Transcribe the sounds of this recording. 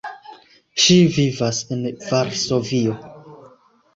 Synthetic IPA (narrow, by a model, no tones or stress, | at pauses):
ʃivivasenvaɾso̞vio̞